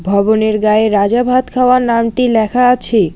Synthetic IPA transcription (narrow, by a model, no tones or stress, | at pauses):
bʱɔboneɾɡaeɾad͡ʑabʱat̪kʰaoaɾnamʈilɛkʰaat͡ɕʰe